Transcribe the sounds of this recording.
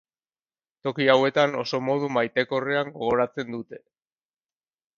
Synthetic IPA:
t̪o̞kiawe̞t̪ano̞̰so̞mo̞ð̞umajt̪e̞ko̞re̞aŋɡo̞ɣ̞o̞ɾat͡se̞nd̪ut̪e̞

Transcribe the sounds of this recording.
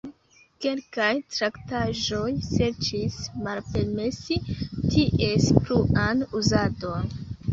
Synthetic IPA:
ke̞lkajtɾaktaʒo̞jse̞ɾt͡ʃismalpe̞ɾme̞sitʰiʔe̞spluʔanuzadon

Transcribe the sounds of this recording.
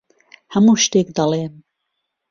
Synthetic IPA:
hɐmuːʃt̪eːkd̪ɑlˠeːn

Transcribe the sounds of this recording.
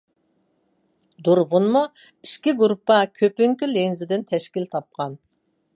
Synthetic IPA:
d̪uɾʁʊnmu | iʃkʲiɡuɾupːɑkʲʰøpyŋkʲylenzɪd̪ɪnt̪ʰɛʃkʲilt̪ʰɑp̚qɑn

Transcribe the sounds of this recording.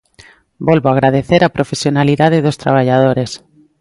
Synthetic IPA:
bolβoaɣɾaðeθeɾapɾofesjonaliðaðeðost̪ɾa̰β̞aʎað̞oɾes

